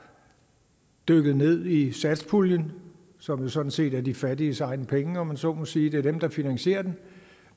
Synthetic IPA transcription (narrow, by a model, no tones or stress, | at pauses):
d̥øɡ̥ð̞̩ˠne̝ð̞̰ˠisæd̥spʰuljən | sɒ̽mjo̝sɒ̽d̥n̩se̝̰ːd̥æɐd̥ifæd̥isɑ̈ɪnəpʰeŋəɒ̽mænsɒmɔ̽siːd̥e̝ɐd̥emd̥ɑ̈finæŋɕe̝̰ːɐd̥en